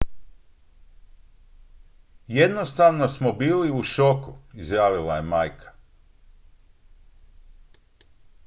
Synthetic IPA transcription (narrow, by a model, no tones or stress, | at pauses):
jed̪nost̪aʋno̞smobiːliuʃokuizjaːʋilajemaːjkʰḁ